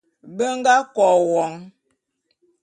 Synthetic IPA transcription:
bə˦ŋ̩˦ɡa˦kɔ˨wɔ˨˦ŋ

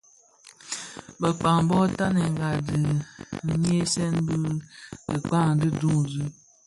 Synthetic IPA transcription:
bə˨k͡pa˨ŋbɔ˦ta˦ne˨ŋ̩˨ɡa˨dɨ˨˦ | ɲ˦e˦sɛ˦nbɨ˦ə˨k͡pa˦˨ŋ˨dɨ˦du˦ŋzu˦

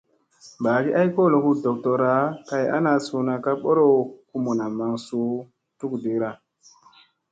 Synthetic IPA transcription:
mbaː˨ɡi˦ʔa˦jko˦˨lo˨ku˦do˨k̚tɔ˨ɾa˨˦ka˨ja̰˦na˨so˨na˨ka˦ɓo˦ɾo˦ku˦mo˨na˨ma˨ŋso˨˦ | tu˦kde˨kɾa˨

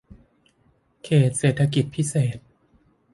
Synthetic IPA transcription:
kʰeː˨˩t̪̚seː˨˩t̪ʰːa˧ki˨˩t̪̚pʰi˦˥seː˨˩t̪̚

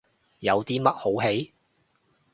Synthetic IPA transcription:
jɐ˨˧wt̪iː˥mɐ˥t̚ho˨˥wɦe˨˥j

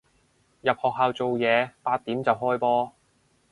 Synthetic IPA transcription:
jɐ˨p̚hɔː˨k̚ɦaː˨wt͡so˨wjɛː˨˧paː˧t̪̚ːiː˨˥mt͡sɐ˨wɦɔː˥jpɔː˥

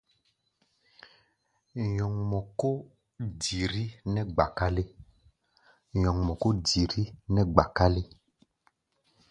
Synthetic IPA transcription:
ɲɔ̃˨ŋmɔ̃˨ko˦ | di˨ɾi˦nɛ̃˦ɡ͡ba˨ka˦le˦ | ɲɔ̃˨ŋmɔ̃˨ko˦di˨ɾi˦nɛ̃˦ɡ͡ba˨ka˦le˦

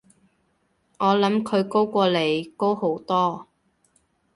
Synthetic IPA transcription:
ŋɔː˨˧lɐ˨˥mkʰɵ˨˧ɥko˥wkʷɔː˧le˨˩jko˥who˨˥wt̪ɔː˥

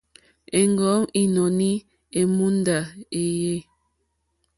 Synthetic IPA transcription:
e˨ŋɡɔ˨˦ŋi˨nɔ˨ni˦ | e˨mu˦n˦da˨e˨je˦

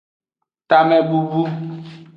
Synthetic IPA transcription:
t̪a˦mɛ˦bu˦bu˦

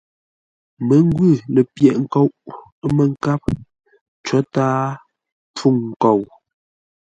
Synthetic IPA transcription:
mə˨˦ŋ˦ɡwʉ˦˨le˨pjɛ˨ʔŋ̩˦ko˦wʔ | mə˨ŋ̩˦ka˦p̚ | t͡ʃɔ˨˦taː˦ | p͡fu˦˨ŋŋ̩˨ko˨w

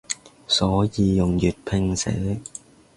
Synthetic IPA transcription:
sɔː˨˥jiː˨˧jʊ˨ŋjyː˨˩t̚pʰɪ˧ŋsḛ˨˥

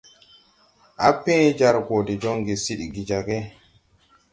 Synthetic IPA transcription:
ʔapːɛ̃˦d͡ʒaɾɡɔdɛ˨d͡ʒɔ˦ŋɡɛ˨si˦ɗiɡi˨d͡ʒaɡɛ˦

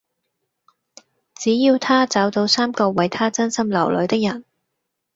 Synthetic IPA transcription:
t͡siː˨˥jiː˧wt̪ʰaː˥t͡saː˨˥wt̪o˧wsaː˥mkɔː˧wɐ˨jt̪ʰaː˥t͡sɐ˥nsɐ˥mlɐ˨˩wlɵ̰˨˧ɥt̪ɪ˥k̚jɐ˨˩n

